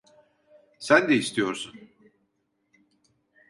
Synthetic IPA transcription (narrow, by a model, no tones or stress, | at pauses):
sænd̪ɛist̪ʰijo̞ɾsun